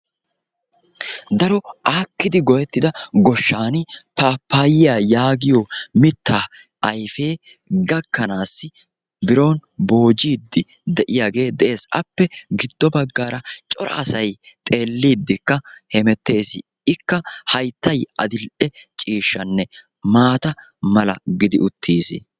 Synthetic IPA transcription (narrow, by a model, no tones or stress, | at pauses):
d̪ɐɾɔʔaːkːɪd̪ɪɡɔjɛt̪ːɪd̪ɐɡɔʃːaːnɪpaːpːaːjɪjaːjaːɡɪjɔmɪt̪ʰːaː | ʔjfe̞ːɡɐkːɐnaːsːɪ | bɪɾo̞ːnbo̞ːd͡ʒiːd̪ːɪ | d̪ɛʔɪjaːɡe̞ːd̪ɛʔe̞ːsɐ̰pːɛɡɪd̪ːɔbɐɡːaːɾɐt͡ʃʼɔɾɐ̰ɐsɐj | t̪ʼe̞ːlːiːd̪ːɪkːɐhɛmɛt̪ːe̞ːsɪ | ɪkːɐhɐjt̪ːɐjɐ̰d̪ɪlʔɛt͡ʃʼiːʃːɐnːɛ | maːt̪ɐ | mɐlɐ̰ɡɪd̪ɪʊt̪ʰːiːsɪ̰